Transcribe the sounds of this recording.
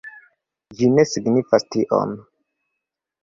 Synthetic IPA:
d͡ʒine̞siɡnifastiʔo̰n

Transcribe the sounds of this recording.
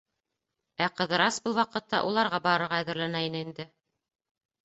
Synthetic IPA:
æqɤ̆ðɤ̆ɾɑsbɤlˠwɑqɤ̆t̪ːɑ̰ʔulˠɑɾʁɑbɑɾɤ̆ɾʁɑæðɘ̆ɾlænæinɘind̪ɘ

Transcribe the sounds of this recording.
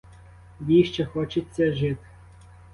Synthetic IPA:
jʲiʃt͡ʃɛxɔt͡ʃɪt͡sʲːɐʒɪt̪

